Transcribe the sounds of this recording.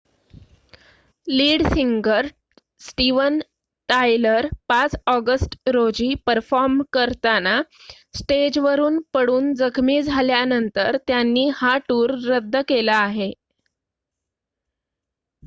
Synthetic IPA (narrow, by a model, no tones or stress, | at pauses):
liːɽsiŋɡəɾ | sʈiʋən | ʈajləɾpat͡sɔɡəsʈɾod͡ʑiːpəɾfɔɾmkəɾt̪ana | sʈed͡ʑʋəɾuːnpəɽuːnd͡zəkʰmiːd͡zʱaljanənt̪əɾt̪janːiːhaʈuːɾːəd̪ʱːəkelaːɦe